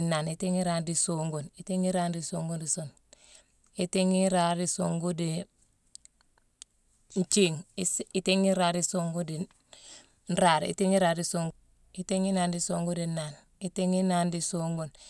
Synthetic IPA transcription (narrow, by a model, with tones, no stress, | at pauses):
na˨ni˨teŋi˦ɾaː˦ndi˨soŋɡu˨nitiŋi˦ɾaː˦ndisoŋɡu˦ndi˨son | itiŋi˦ɾaːɾi˨soŋɡu˦di | n˨t͡ʃi˦ŋiteŋi˦ɾaː˨ɾi˨soŋɡu˦di˨ | n̩ɾaɾḭ˨ti˦ŋi˦ɾaː˨ɾdi˨soŋɡu | iteŋi˦naːndi˨soŋɡu˦dinaːn | ite˦ŋi˦na˦ndi˨soŋɡun